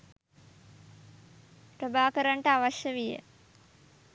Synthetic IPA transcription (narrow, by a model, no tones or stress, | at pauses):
pɾəbaːkəɾaɳʈəaʋaʃjəʋijə̰